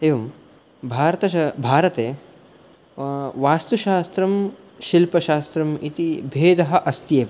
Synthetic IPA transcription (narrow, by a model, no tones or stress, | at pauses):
eːʋɐm | bʱaːɾɐt̪ɐɐbʱaːɾɐt̪eː | ʋaːst̪uʃaːst̪ɾɐm | ʃilpɐʃaːst̪ɾɐmit̪ibʱeːd̪ɐɦɐ̆ʔɐst̪jeːʋɐ